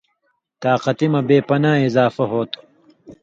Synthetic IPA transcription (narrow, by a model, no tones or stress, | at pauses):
t̪aːqɐt̪imɐbeːpɐnaːizaːfɐɦoːt̪